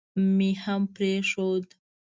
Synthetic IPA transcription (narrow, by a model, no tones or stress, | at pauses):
mihampɾeʂod̪